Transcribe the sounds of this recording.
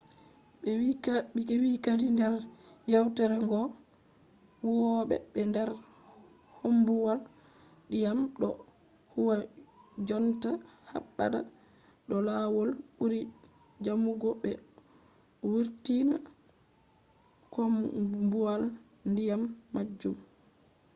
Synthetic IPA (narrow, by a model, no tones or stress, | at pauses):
bɛwikaikɛwikadindɛɾ | jawtɛɾɛŋɡɔ | wuwɔɓɛ̰bɛndɛɾ | hombuwal | dijamɗɔ | huwa | d͡ʒɔnta | ha̰ɓːa̰da | ɗɔlawɔlɓuɾi | d͡ʒamuɡɔɓɛ | wuɾtina̰ | kɔmbuwal | ndijamːad͡ʒːum